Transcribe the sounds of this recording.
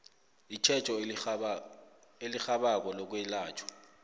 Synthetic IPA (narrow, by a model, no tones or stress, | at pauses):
it͡ʃʰɛt͡ʃʼɔ | elixaɓak̬ɔlɔk̬wɛlaːt͡ʃʰʼɔ̥